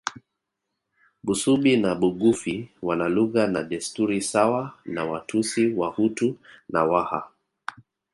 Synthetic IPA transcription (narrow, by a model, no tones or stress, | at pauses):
ɓusuɓinaɓuɡufiwanaluɣanaɗɛstuɾisawanawatʰusiwahutuna̰waha̰